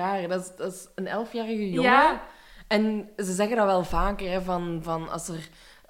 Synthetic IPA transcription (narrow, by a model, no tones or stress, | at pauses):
aːədɑɪsdɑtɪsənɛlˠfjaːrəɣəjoŋə | ɛnzəzɛɣəndɑʋɛlˠvaːkərɛvɑnvɑnɑ̰sər